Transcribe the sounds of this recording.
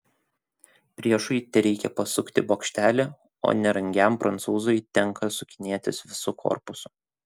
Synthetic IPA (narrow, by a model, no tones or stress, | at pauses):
pʲɾʲiɛʃʊt̪ʲɛɾʲɛɪkʲɛpɐsʊkʲt̪ʲɪboːkʃʲt̪ʲæːlʲe | o̰ːnʲɛɾɐŋʲɡʲæˑmpɾɐnt̪suːzojt̪ʲɛŋˑkɐsʊkʲɪnʲeːt̪ʲɪsʋʲɪsʊkʰo̰ɾpʊsʊ̥